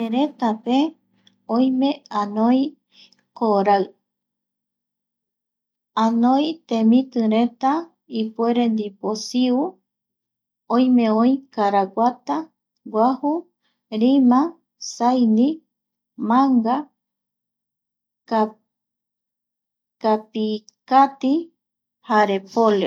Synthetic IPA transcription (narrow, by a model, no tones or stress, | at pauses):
eɾet̪ape | õj̃mẽãnõj | koɾaɨ | ãnõjt̪ẽmĩt̪ɨɾet̪a | ipueɾend̪iposiu | õj̃mẽõĩkaɾaɡʷat̪a | ɡʷahu | ɾimã | sajnĩ | mãŋɡa | ka | kapikat̪i | haɾepolo